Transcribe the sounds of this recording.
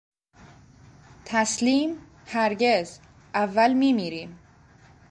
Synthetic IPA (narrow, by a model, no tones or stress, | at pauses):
t̪ʰæsliːm | hæɾɟe̞z | ʔævːælmiːmiːɾiːm